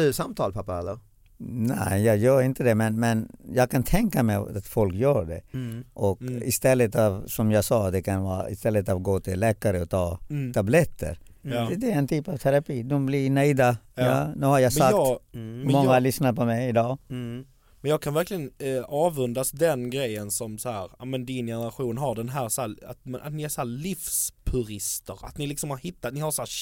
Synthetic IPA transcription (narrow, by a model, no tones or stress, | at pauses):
ɵsamt̪ʰɑːlpʰapːaɛlːəɾ | nɛ̰ɪjɑːɡjœːɾɪnt̪əd̪ɛmɛnmɛnjɑːɡ̚kʰant̪ʰɛŋkamɛat̪fɔlkjœːɖɛ̰ʔɔkɪst̪ɛlːət̪avsɔmjɑːɡsɑːd̪ɛkʰanvɑ̰ːɾa̰ɪst̪ɛlːət̪avɡoːt̪ʰɪllːɛːkaɾəɔt̪ʰɑːt̪ʰablɛt̪ʰːə̰ɾ | d̪ɛɾɛnt̪ʰyːpavt̪ʰɛɾapiːd̪ɔmblɪnɛɪd̪ajɑːnʉ̟ːhaɾjamsakː | ɛmɔŋːalʏsnaɾpʰɔmɛjɪd̪ɑː | mɛnjɑːkʰanvæɾklɪɡənɑːvɵnd̪asd̪ɛnɡɾɛjːənsɔmsɔhæːɾamɛnd̪ɪnjɛnəɾaɧuːnɦaɖɛnɦæːɾsɔæːa̰t̪mna̰t̪nɪæshæːɾlifspʰʉɾɪst̪əɾa̰t̪nɪlɪksɔmhaɾhɪt̪ːat̪̚nɪhaɾsɔæː